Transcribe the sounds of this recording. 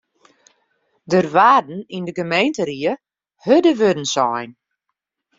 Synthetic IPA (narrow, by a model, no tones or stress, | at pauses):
dərʋaːdn̩indəɡəmejntəɾiə | hødəʋødən̩sɔjn